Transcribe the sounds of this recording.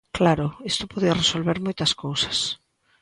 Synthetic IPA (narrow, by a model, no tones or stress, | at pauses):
klaɾʊist̪ʊpoðiɐresolβeɾmojt̪ɐskowsɐ̥s